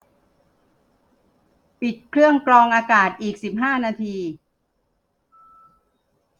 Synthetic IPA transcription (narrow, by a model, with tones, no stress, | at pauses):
pi˨˩t̪̚kʰɾɯ˥˩əŋklɔː˧ŋʔaː˧kaː˨˩t̪̚ʔiː˨˩k̚si˨˩p̚ɦaː˥˩naː˧t̪ʰiː˧